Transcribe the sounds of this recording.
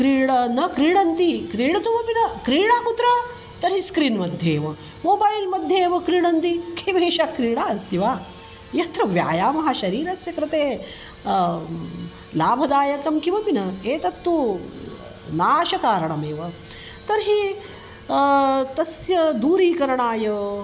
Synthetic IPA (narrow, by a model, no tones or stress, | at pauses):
kɾiːɽɐnɐkɾiːɽɐnt̪ikɾiːɽɐt̪uʋɐpinɐkɾiːɽaːput̪ɾɐ | t̪ɐɾɦiskɾinmɐd̪ʱjeːʋɐ | moːbɐjlmɐd̪ʱjeːʋɐkɾiːɽɐnt̪ikʰeʋeːʃakɾiːɽaːɐst̪iʋaː | jɐt̪ɾɐʋja̰ːjaːmɐɦɐʃɐɾiːɾɐsjɐkɾɐt̪eː | laːbʱɐd̪aːjɐkɐmkiʋɐpinɐeːt̪ɐt̪ːu | naːʃɐkaːɾɐɳɐmeːʋɐ | t̪ɐɾɦi | t̪ɐsjɐd̪uːɾiːkɐɾɐɳaːjɐ